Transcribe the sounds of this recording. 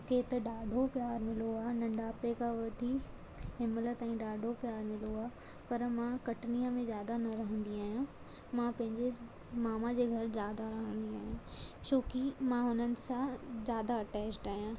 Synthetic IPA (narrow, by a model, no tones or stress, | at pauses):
ket̪ɐɖaːɖʱopjaːɾmɪloaːnɐ̃ɳɖaːpekãʋɐʈʰi | ɦɪmələt̪aːĩɖaːɖʱopjaːɾmɪloaː | pɐɾmãkɐʈnijəmẽzjaːd̪anɐɾɐɦə̃nd̪iaːɦijã | mãpɐ̃ɦɪ̃ɲd͡ʑe | maːmad͡ʑeːɡʱɐɾzjaːd̪aɾɐɦə̃nd̪iaːɦijãt͡ɕoːkimãɦʊnənɪ̆sãzjaːd̪aɐʈɛːt͡ɕʈaːɦijãː